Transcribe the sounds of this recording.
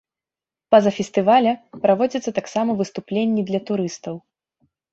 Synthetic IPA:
pɐzɐfʲɛst̪ɨvalʲɐpɾavɔd͡zʲit̪sːɐt̪aksamɐvɨst̪uplʲenʲːid̪lʲɐt̪uɾɨst̪ɐw

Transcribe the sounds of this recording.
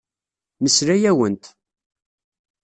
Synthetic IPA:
məsɾæjæwənt̪

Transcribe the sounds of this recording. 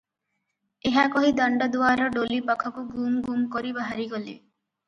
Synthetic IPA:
eɦakɔɦid̪aɳɖad̪uaɾɔɖolipakʰɔkuɡumɡumkoɾibaɦaɾiɡolḭ

